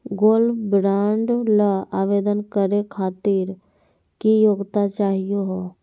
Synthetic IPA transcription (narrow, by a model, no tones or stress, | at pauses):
ɡoːlfbɾaːɳɖləaːʋeːd̪ənkəɾekʰaːt̪iɾ | kijoːɡt̪at͡ʃaːɦijoɦoː